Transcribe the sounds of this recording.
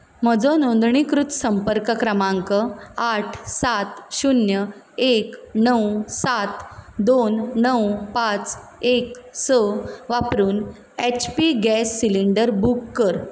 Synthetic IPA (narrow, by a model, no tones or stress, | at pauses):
m̤əd͡zɔnõnd̪ɳikɾut̪səmpəɾkəkɾəmãŋkəaʈʰsat̪ɕunjə | eknəwsat̪d̪onnəwpat͡seksəʋapɾuːn | et͡ɕpiɡɛsːiliɳɖəɾbukːəɾ